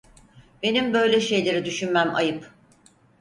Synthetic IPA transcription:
be̞nimbø̞jlʲɛʃe̞jlʲe̞ɾid̪yʃynmæma̰jɯp

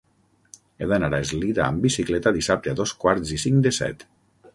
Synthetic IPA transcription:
eðanaɾaezliðaːmbisiklɛt̪aðisap̚t̪eaðoskwaɾzisiŋd̪esɛ̰t̪

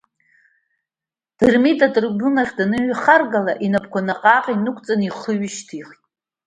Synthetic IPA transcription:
d̥ɨrmitʼatʼrbʊnaχʲdanɨɥχarɡala̰ʔinapʰkʷʰanaqʼaːqʲʼinɨkʷʰʼt͡sʼaniχəɥɪʃtʰiχtʼ

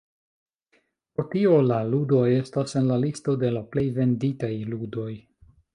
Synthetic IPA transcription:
pɾotio̞laludo̞je̞stase̞nlalisto̞de̞laple̞jve̞nditajludo̞j

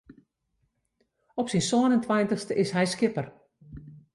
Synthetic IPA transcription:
ɔpsinsɔənəntʰʋajntəxstəʔɪsɦɛjskɪpər

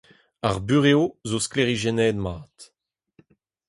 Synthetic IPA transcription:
aʁbyʁeozoskleʁiʒɛnɛːd̪maːt

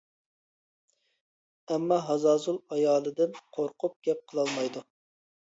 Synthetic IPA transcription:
ɛmːɑɦɑzɑːzulˠɑjɑːlˠɨd̪ɪnqʰoɾqʊp̚ɡ̥ʲɛp̚qʰəlˠɑlˠmɑjd̪u

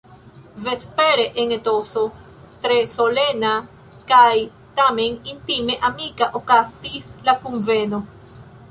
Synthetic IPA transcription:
vespeɾeʔeŋet̪oso | t̪ɾesolena | kaj | t̪amẽŋint̪imeʔamikaʔokasislakumveno

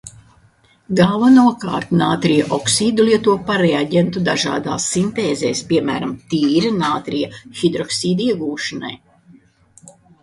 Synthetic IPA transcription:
ɡavanuɔka̰ːɾt̪naːt̪ɾijaʔɔksiːd̪uliɛt̪uɔpaɾɛaɟʲent̪ud̪aʒa̰ːd̪a̰ːsːint̪eːzɛ̰ːspʲiɛmæ̰ːɾamt̪iːɾanaːt̪ɾijaxid̪ɾɔksiːd̪iɛɡuːʃana̰j

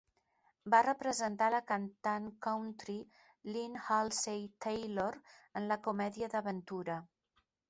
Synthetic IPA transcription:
barəpɾəzənt̪aləkant̪aŋkawnt̪ɾi | linhalˠsejt̪ejloɾənləkumɛðiəðəβənt̪uɾə

